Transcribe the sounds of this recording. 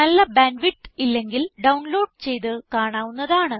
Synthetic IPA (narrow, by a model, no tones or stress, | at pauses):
nɐlːɐbaːnʋiʈːilːe̞ŋɡilɖɐwɳlo̞ːɖ̚t͡ɕe̞jt̪ɨkaːɳaːʋunːɐðaːɳɨ